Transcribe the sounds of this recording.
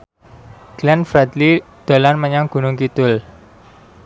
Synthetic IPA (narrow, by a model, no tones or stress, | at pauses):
ɡ̥lɛnfɾɛd̪lid̪̥o̤lanməɲaŋɡ̥ṳnʊŋkit̪ʊl